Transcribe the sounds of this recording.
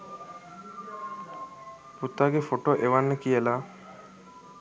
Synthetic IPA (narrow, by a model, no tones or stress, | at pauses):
put̪ːaːɡefoʈoʔeʋanːəkijəla